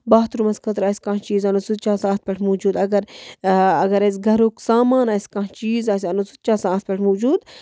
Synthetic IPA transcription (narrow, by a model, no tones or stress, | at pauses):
baːt̪ɾumɐskʰɐt̪ɾaːsʲkãt͡ʃiːzɐnut͡sut̪̚t͡ʃaːsaːt̪̚pʲeʈʰmoːd͡ʒuːd̪ɐɡɐɾ | ɐɡɐɾɐs̬ʲɡʱɐɾoksaːmaːnaːsʲkãːɦt͡ʃiːzaːs̬ʲɐnut͡sut̪̚t͡ʃaːsaːt̪̚pʲeʈʰmoːd͡ʒuːd̪